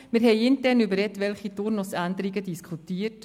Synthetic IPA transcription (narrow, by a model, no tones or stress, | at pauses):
mɪɾɦɛɪɪntɛːɾnybəɾːɛtʋɛlχitʊɾnʊsænd̪əɾiɡədiskʰutiːət